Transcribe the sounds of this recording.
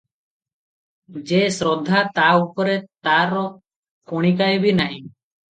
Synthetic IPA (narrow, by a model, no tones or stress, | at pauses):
d͡ʒesɾɔd̪ʱːat̪aupɔɾɛt̪aɾɔ | kɔɽ̃ikajbinaɦĩ